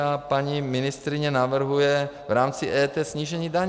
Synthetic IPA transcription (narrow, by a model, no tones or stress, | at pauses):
apaɲimɪnɪst̪ɾiɲɛnavr̩ɦujɛ | vɾaːmt͡siʔɛːt̪ɛːsɲiːʒɛɲiːd̪aɲ